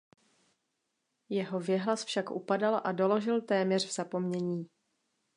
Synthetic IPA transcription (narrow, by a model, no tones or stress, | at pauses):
jɛɦo̞vjɛɦlasfʃakʔupadalʔado̞lo̞ʒɪlt̪ɛːmɲɛr̝vz̥apo̞mɲɛɲiː